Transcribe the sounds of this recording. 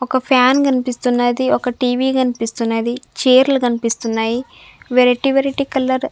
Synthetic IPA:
ɔkɐpʰjaːnkɐnipist̪unːɐd̪iɔkɐʈiːʋiːkɐnipist̪unːɐd̪it͡ʃeːɾlɐɡɐnipist̪unːaːji | ʋeɾeʈiʋeɾiʈikɐlːɐɾ

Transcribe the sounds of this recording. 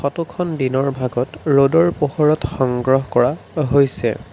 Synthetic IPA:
xɔtukʰɔndinɔɹbʱaɡɔtɹodɔɹpoxoɹɔtxɔŋɡɹɔɦɔkɔɹaɦojsɛ̰

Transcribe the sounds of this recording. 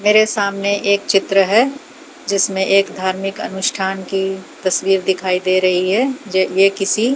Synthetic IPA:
meːɾesaːmneʔeːkt͡ʃɪt̪ɾəɦɛ | d͡ʒɪsmẽʔeːkd̪ʱaːɾmɪkɐ̰nʊʃʈʰaːnkit̪ɐswiːɾd̪ɪkʰaːid̪eːɾɐɦiɦɛd͡ʒjekɪsi

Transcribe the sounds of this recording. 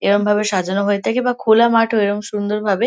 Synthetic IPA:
eɾombʱabeʃad͡ʑonoɦoet̪ʰakebakʰolamaʈʰoeɾomʃund̪oɾbʱabe

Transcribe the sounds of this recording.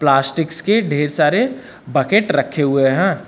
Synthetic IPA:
plaːsʈɪkskeɖʱeːɾsaːɾe | bəkeːʈɾɐkʰːeɦʊeɦɛ̃ː

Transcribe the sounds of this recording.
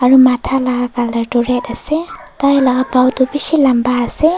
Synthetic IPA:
aɾumatʰalaɡaɡaldaɾdɔɾɛt̚aset̪ajlaɡabawdɔbisilambaːse

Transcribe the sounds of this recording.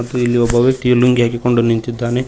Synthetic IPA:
ɐt̪ːuilːiɔbɐʋjɐk̚t̪ijɐluŋɡiaːkiko̞ɳɖunint̪id̪ːaːne

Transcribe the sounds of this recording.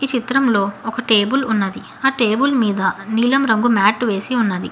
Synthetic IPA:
it͡ʃit̪ɾɐmlo̞ːɔkɐʈe̞ːbulunːɐd̪i | aːʈe̞ːbulmiːd̪ɐniːlɐmɾɐŋɡumaːʈʋe̞ːsiunːɐd̪ḭ

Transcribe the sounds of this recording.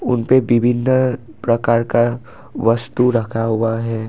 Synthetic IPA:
ʊ̰npeʋɪbʱɪnː | pɾɐkaːɾka | ʋɐst̪uɾɐkʰaɦʊaɦɛː

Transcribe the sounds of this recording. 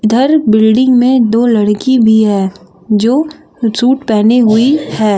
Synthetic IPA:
ɪd̪ʱəɾbɪlɖɪ̃ŋɡmẽd̪oːlɐɽkibʱiɦɛː | d͡ʒoː | suːʈpɛːneɦʊihɛː

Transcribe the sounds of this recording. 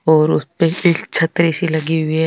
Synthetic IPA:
ɔːɾʊspeɪt͡ʃʰɐt̪ɾisilɐɡiɦʊiɦɛ

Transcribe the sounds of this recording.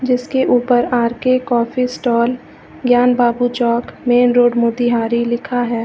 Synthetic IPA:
d͡ʒɪskeʔuːpəɾaːɾkekɔːfʰisʈɔːl | ɡjaːnbaːbut͡ʃɔːkmeːnɾoːɖmoːd̪iɦaːɾilɪkʰaɦɛː

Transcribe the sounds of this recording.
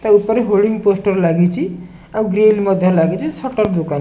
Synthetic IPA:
t̪ʌupʌɾeɦolɖiŋɡposʈʌɾlaɡit͡sʰi | auɡɾelmʌd̪ʱjʌɾlaɡit͡sʰisʌʈʌrd̪ukan

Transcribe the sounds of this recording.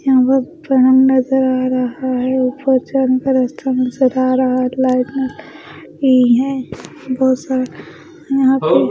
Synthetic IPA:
jɐɦãpəɾpɾɐɽə̃ŋɡnɐzəɾaːɾɐɦaɦɛʊpəɾt͡ʃankaɾɐst̪ʰanɐzəɾaːɾɐɦaɦɛlaːɪʈnɐl | iɦɛ̃ | bɔːt̪saːɾ | jɐɦãpe

